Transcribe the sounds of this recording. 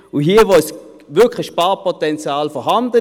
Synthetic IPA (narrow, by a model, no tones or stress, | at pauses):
uɦiːəʋos | ʋʏɐkʰləçʃpaːpʰɔtɛnt͡sjaːlfɔɦɑndə